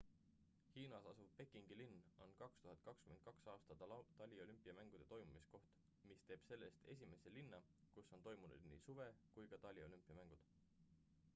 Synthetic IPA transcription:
hiːnɑsɑsuvpe̞kːˑiŋɡ̥ilinːo̞nkɑkst̪uɦɑt̪̚kɑkskymend̪̚kɑksɑːst̪ɑt̪t̪ɑlʲio̞lympːˑiɑmæŋɡ̥ud̪̥e̞t̪o̞jmumisko̞ht̪ | mist̪e̞ːb̥se̞lːe̞st̪e̞sʲime̞selinːɑ | kusːo̞nt̪o̞jmunṵd̪̥nḭːsuve̞kujkɑt̪ɑlʲio̞lympːˑiɑmæŋɡ̥ud̪̥

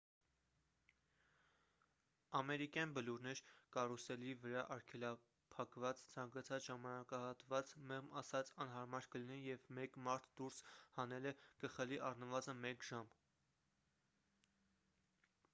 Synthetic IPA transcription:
ɑmɛɾikjɑnbəluɾnɛɾkɑrusɛlivəɾɑʔɑɾkʰɛlɑ | pʰɑkvɑt͡st͡sʰɑŋkɑt͡sʰɑt͡sʒɑmɑnɑkɑhɑt̪vɑt͡smɛʁmɑsɑt͡sɑnɦɑɾmɑɾkəlinɛjɛvmɛkmɑɾt̪ʰd̪uɾshɑn̪ɛlɛkəχəliʔɑrnəvɑzənmɛkʒ̥ɑm

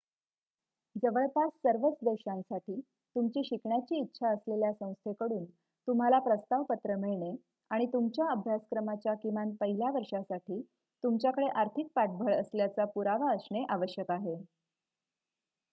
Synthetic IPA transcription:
d͡zəʋəɭpasːəɾʋət͡sd̪eɕãnsaʈʰiː | t̪umt͡ɕiːɕikɳjat͡ɕiːtːɕʰaəsleljasə̃w̃st̪ʰekəɽuːn | t̪um̤alapɾəst̪aʋpət̪ɾəmeɭɳe | aɽ̃it̪umt͡ɕjaəbʱjaskɾəmat͡ɕjakimanpəɦilaʋəɾʂasaʈʰiː | t̪umt͡ɕjakəɽeʔaɾt̪ʰik̚paʈ̚bʱəɭəsljat͡sapuɾaʋaəsɳeʔaʋəɕjəkaɦe

